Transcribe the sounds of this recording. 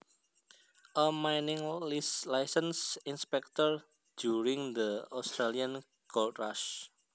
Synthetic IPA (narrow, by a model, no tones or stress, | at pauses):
ʔəmajnɪŋlislajsə̃nsinspɛk̚t̪ɔɹ | duɾĩŋd̪əɔst̪ɾaliãn | kɔltɹaʃ